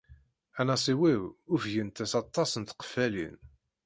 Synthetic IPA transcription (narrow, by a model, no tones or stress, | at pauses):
ænæsˤiwiwʊfʝənt̪æsɑt̪ˤːɑsənt̪qə̥fælḭn